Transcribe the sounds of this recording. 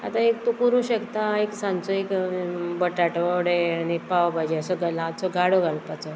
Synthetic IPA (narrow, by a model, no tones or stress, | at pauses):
a̰t̪ãek̚t̪ukuɾũɕəkt̪aeksãnt͡sɔekbəʈaʈəɽeanipawbad͡ʑeəsɔɡəlãt͡sɔɡaɽoɡʱalpat͡sɔ